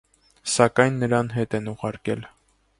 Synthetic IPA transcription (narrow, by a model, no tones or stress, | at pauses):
sɑkɑjnːəɾɑnɦɛt̪ɛnuʁɑɾkɛl